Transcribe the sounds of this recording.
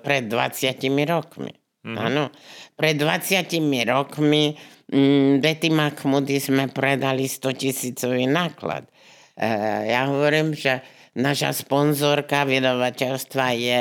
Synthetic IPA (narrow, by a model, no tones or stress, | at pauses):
pɾɛd̪ːʋa̰t͡sɪacimiɾɔkmḭ | a̰nɔpɾɛd̪ːʋat͡sɪacimiɾɔkmi | d̪ɛt̪imaxmud̪izmɛpɾɛd̪alist̪ɔcisiːt͡sɔʋinaːkla̰t̪ | jaɦɔʋɔɾiːmʒɛ | naːʃa̰spɔnzɔɾkaʋid̪aʋacɛʎst̪ʋajɛ